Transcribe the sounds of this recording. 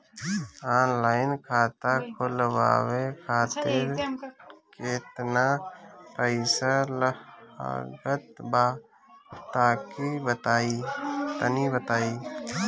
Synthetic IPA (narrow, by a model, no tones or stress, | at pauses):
aːnlaːɪnkʰaːt̪akʰʊlwa̰ːwekʰaːt̪ɪɾ | keːt̪napəɪsələa̰ɡət̪baː | t̪aːkibət̪aːit̪ənibət̪aːi